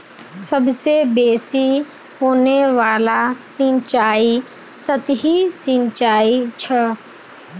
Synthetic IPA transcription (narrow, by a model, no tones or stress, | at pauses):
səbsebeːsi | ɦoːneʋaːlasɪ̃t͡ʃaːi | sət̪ɦisɪ̃nt͡ʃaːit͡ʃʰɐ